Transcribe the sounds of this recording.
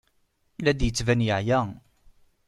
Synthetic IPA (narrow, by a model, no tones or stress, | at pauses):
læd̪jət͡sːvænjəʕjæ